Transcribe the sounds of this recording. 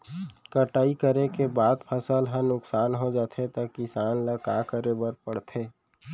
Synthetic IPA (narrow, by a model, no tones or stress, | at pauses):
kəʈaːikəɾekebaːd̪pʰəsəlɦə̃nʊksaːnɦod͡ʒaːt̪ʰet̪akɪsaːnləkakəɾebəɾpəɽt̪ʰeː